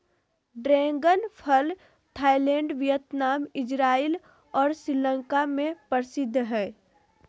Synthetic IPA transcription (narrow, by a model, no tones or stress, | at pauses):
ɖɾɛ̃ːŋɡənpʰəl | t̪ʰaːɪlɛ̃ːɳɖʋjət̪naːmɪd͡ʒɾaːil | ɔːɾsɾɪlə̃ŋkamẽpəɾsɪd̪ʱːɦɛː